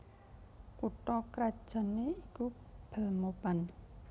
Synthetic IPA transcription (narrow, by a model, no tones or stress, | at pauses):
kuʈɔkɾḁʒ̥a̤nːeikub̥ə̤lmoban